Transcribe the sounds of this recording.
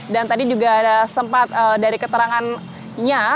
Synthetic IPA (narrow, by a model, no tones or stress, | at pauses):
dant̪adid͡ʒuɡaːdasəmpat̪̚əːdaɾikət̪əɾaŋan | ɲa